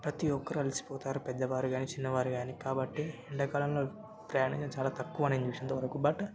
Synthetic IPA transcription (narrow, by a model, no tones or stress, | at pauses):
pɾɐt̪iɔkːɐɾuɐlisi̥pɔːt̪aːɾupɛd̪ːɐʋaːɾuɡaːniːt͡ʃinːɐʋaːɾuɡaːnikaːbɐʈːiiɳɖɐkaːlɐmlo̞ː | pɾɐjaːɳint̪ɐmt͡ʃaːlaːt̪ɐkːuʋɐneːnd͡ʒuʋsint̪oːʋɐɾɐkubaːʈu